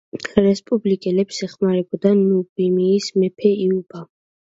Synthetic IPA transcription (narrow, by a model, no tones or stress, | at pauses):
ɾɛspʼublikʼɛlɛpsɛχmaɾɛbɔd̪anubimiːsmɛpʰɛiub̥a